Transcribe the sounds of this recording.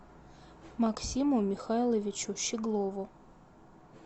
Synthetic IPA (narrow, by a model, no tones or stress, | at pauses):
maksʲimʊmʲɪxajlˠəvʲɪt͡ɕʊɕɪɡlˠovʊ